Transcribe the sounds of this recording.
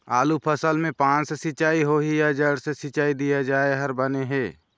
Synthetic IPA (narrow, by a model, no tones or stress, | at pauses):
aːlupʰəsəlmẽpãːt͡ʃsesɪt͡ʃaːiɦoːɦijad͡ʒəɽsesɪt͡ʃaːid̪ijad͡ʒaːeɦɐɾbəneɦɛː